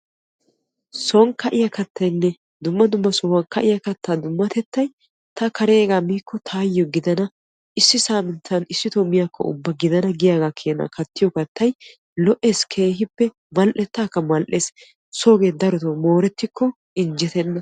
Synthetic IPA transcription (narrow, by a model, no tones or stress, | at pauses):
sɔŋkɐʔɪjɐkɐt̪ʰːɐjnːɛ | d̪ʊmːɐd̪ʊmːɐsɔwɐnkɐʔɪjɐkɐt̪ʰːaːd̪ʊmːɐt̪ɛt̪ːɐj | t̪ɐkɐɾeːɡaːmiːkːɔt̪ʰaːjːɔɡɪd̪ɐnɐ | ʔɪsːɪsaːmɪnt̪ʰɐnɪsːɪt̪ɔmɪjaːkʰːɔ̰ʊ̰bːɐɡɪd̪ɐnɐɡɪjaːɡaːkʰeːnɐ̰kɐt̪ːɪjɔkɐt̪ːɐj | lɔʔeːskʰe̞ːhɪpːɛ | mɐlʔɛt̪ːaːkːɐmɐlʔeːs | soːɡeːd̪ɐɾɔt̪omoːɾɛt̪ːɪkʰːɔ | ɪnd͡ʒɛt̪ɛnːɐ